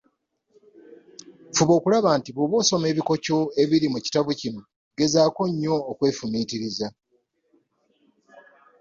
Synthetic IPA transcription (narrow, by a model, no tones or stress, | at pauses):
fuβo̞ːkulaβaːntiβoβoːso̞me̞ːβiko̞co̞e̞βiɾimuci̥taβucino̞ | ɡe̞zaːko̞ɲːo̞ːkwe̞ːfumiːtiɾiza